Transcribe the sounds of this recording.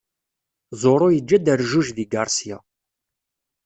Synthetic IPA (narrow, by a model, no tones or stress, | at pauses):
zˤoɾˤojəd͡ʒːæd̪əɾʒuʒðiɡaɾˤsija̰